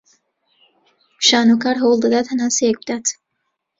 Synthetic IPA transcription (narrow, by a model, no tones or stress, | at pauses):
ʃaːnukaːɾɦɐwlˠd̪ad̪aːt̪hɐnaːnsejɛk̚bɨd̪aːt̪